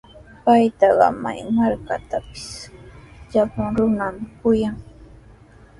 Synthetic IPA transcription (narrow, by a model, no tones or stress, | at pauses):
pajt̪ɑɢɑ̰ma̰jmaɾkat̪apɪ̥s | ʎapʊŋɾʊnamkʊjaŋ